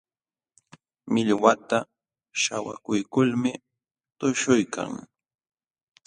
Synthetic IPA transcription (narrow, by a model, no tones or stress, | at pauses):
mɪʎwat̪a | ʃawa̰kʊjkʊlmɪ | t̪ʊʃʊjkʰa̰ŋ